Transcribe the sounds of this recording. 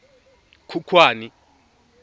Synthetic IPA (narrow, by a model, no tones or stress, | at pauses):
kʰukʰwaːni